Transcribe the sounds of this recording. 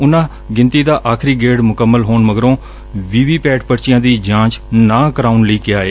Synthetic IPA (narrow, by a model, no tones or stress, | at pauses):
ʊnãː | ɡɪ̃nt̪iːd̪aːʔaːkʰɾiːɡeːɖmʊkəmːəlɦoːɳməɡɾõː | ʋiːʋiːpɛːʈpəɽt͡ʃɪjãːd̪iːd͡ʒãːt͡ʃnãːkəɾaːunləiːkɪaːeː